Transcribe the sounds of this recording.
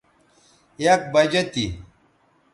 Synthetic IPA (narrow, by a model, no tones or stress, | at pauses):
ek̚bɐd͡ʑɐt̪i